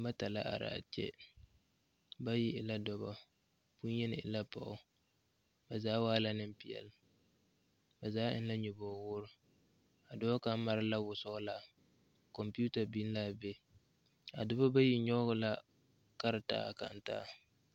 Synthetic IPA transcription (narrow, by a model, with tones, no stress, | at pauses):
ba˦ta˨la̰˦ʔa̰˨ɾa̰ː˨t͡ʃɛ̰˦ | ba˦ji˦ʔɪ˨la˦dɔ˨ba˦ | pu˦njɛ˦nɪ˨ɪ̰˨la˦pa̰˨ʊ˦ | ba˨zaː˦waː˦la˦nɪ˦m˦pi˨ɛ̰˨l | ba˨zaː˨˦ʔɪ̰˦nla˦ɲu˨bɔː˨wʊ˦ɾʊ˦ | a˨dʊ˦bɔ˦ka˦ma˨ɾɪ˦la˦wʊ˨sʊ˦ɡla˨ | kɔ˨mpi˦u˦ta˨bi˦n˦la˦˨bɛ˦ | a̰˨dʊ˦bɔ˦ba˦ji˨ɲɔ˦ɡʊ˦la˦ | ka˦ɾɪ˨ta̰˦˨ka̰˨n̩˨ta̰ː˦